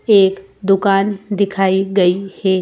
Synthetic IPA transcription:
eːk | d̪ʊkaːnd̪ɪkʰaːiɡɐihɛː

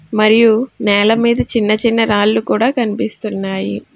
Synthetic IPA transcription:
mɐɾijunɛːlɐmiːd̪ɐt͡ʃinːɐt͡ʃinːɐɾaːlːukuːɽaːkɐnipist̪unːaːjḭ

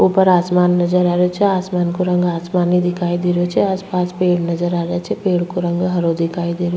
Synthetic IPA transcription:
uːpəɾaːsmaːnːɐd͡ʒəɾaːɾeot͡ʃʰɛaːsmaːnkoɾə̃ŋɡaːsmaːnid̪ɪkʰaːid̪eɾot͡ʃʰɛaːspaːspeːɽnɐzəɾaːɾet͡ʃʰɛpeːɽkoɾə̃ŋɡɦɐɾod̪ɪkʰaːid̪eːɾio

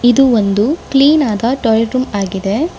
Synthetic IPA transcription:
id̪uond̪ukliːnaːd̪ɐʈɔlɐʈɾumaːɡid̪e̞

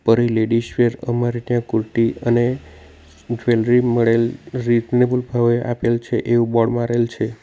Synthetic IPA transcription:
pəɾileɖiʃʋeɾəmaɾit̪jãkuɾʈiəne | d͡ʒʋelɾiməɭelɾid͡ʒnebulbʱaʋeʔapelt͡ʃʰeʔeʋũbɔɽmãɾelt͡ʃʰe

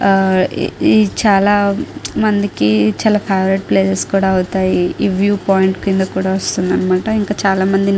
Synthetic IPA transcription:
it͡ʃaːlaːmɐnd̪ikit͡ʃaːlaːpʰaːʋɾiʈ̚pleːsɐskuːɽaːɐwut̪aːjiːʋjuːpaːjiɳʈkind̪ɐkuːɽaːʋɐst̪und̪ɐnmaːʈɐiŋkaːt͡ʃaːlaːmɐnd̪i

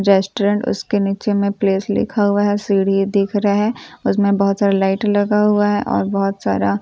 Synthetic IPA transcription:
ɾɛːsʈoɾə̃ɳʈʊ̰skeniːt͡ʃemẽpleːslɪ̰kʰaɦʊaɦɛsiːɽ̤id̪ɪkʰɾɐaɦɛːʊsmẽbɐɦʊt̪saːɾalaɪʈlɐɡaɦʊaɦɛʔɔ̰ːɾbɔɦʊt̪sa̰ːɾa

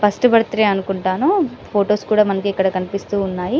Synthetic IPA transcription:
pɐsʈɐbɐɽut̪ɐɾeːɐnukuɳʈaːnupʰoːʈoːskuːɽaːmɐnɐkiɛkːɐɽɐkɐnipist̪uːnːaːji

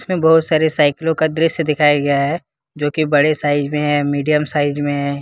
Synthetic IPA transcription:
smẽbɐɦʊt̪saːɾesaːɪklõkad̪ɾɪʃd̪ɪkʰaːjaɡɐjaɦɛ | d͡ʒoːkibɐɽesaːɪd͡ʒmẽɦɛ̃miːɖijəmsaːɪd͡ʒmẽɦɛ̃ː

